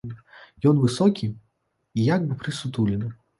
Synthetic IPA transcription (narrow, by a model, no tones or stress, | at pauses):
jɔnvɨsɔkʲi | ijaɡ̚bɨpɾɨsut̪ulʲɪnɨ